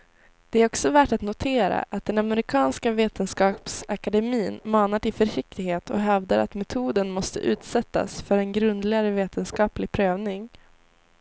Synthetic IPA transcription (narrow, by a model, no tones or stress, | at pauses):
d̪̥ɛæɾɔksɔvæʈat̪nʊt̪ʰeːɾa̰ʔat̪̚d̪ɛnamɛɾɪkʰɑːnskaveːt̪ənskɑːpsakad̪ɛmiːnmɑːnaʈɪlfœʂɪk̚t̪ɪɡheːt̪ʰɔ̰ɦɛvd̪aɾa̰t̪mɛt̪ʰuːd̪ənmɔst̪ə̰ʔʉ̟ːt̪sɛt̪ːa̰sfœɾɛnɡɾɵnd̪lɪɡaɾəveːt̪ʰənskɑːplɪɡpʰɾøːvnɪŋ